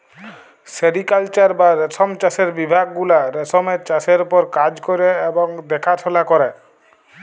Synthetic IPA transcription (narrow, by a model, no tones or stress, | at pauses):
seɖikalt͡ʃaɾbaɾesɔmt͡ʃaseɾbibʱaɡːulaɾesɔmeɾt͡ʃaseɾupɔɾkad͡ʑkɔɾeebɔŋd̪ɛkʰat̪ʰɔlakɔɾe